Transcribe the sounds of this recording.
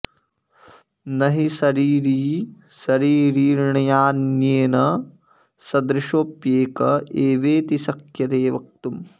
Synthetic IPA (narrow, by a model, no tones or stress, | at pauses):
nɐɦisɐɾiːɾiːsɐɾiːɾiːɾɳɐjaːnjeːnɐ | sɐd̪ɾɪʃoːpjeːkɐeːʋeːt̪isɐkjɐt̪eːʋɐk̚t̪um